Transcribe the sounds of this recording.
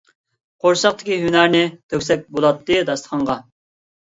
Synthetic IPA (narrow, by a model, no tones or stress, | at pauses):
qʰoɾʃɑq̚t̪ʰɪ̥kʲiɦynæɾnɪd̪ʰøkʲsɛk̚ʲbolˠɑt̪ːɨd̪ɑst̪əqʰɑɴʁɑ